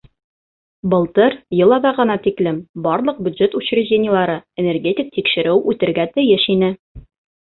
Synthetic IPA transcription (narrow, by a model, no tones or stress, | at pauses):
bɤ̆lˠt̪ɤɾjɤ̆lˠɑðɑʁɤ̆nɑt̪iklɘmbɒɾlˠɤ̆q̚bʲjʉd̪ʒet̪uɕrʲɘ̆ʑʲdʲenʲɪjəlˠɑɾɤenʲerɡʲetʲɪk̚t̪ikʃɘ̆ɾɘwʉt̪ɘ̆ɾɡæt̪ɘ̆jɘʃinɘ